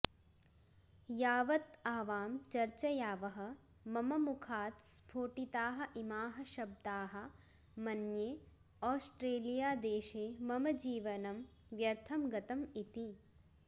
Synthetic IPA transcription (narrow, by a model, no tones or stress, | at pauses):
jaːʋɐt̪aːʋaːmt͡ʃɐɾt͡ʃɐjaːʋɐɦɐ̆ | mɐmɐmukʰaːt̪spʰoːʈit̪aːɦɐ̆ʔimaːɦɐʃɐb̚d̪aːɦɐ̆ | mɐnjeː | ɔːsʈɾeːlijaːd̪eːʃeːmɐmɐd͡ʒiːʋɐnɐmʋjɐɾt̪ʰɐmɡɐt̪ɐmit̪i